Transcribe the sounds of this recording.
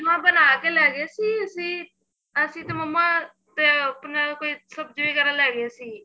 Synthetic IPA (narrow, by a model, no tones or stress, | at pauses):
ɦãːbənaːkeːlɛːɡeːsiːəsĩː | əsĩːt̪eːməmːãː | t̪eːpnaːkoːiːsəbd͡ʒʋiːkəɾə̃ːlɛːɡasiː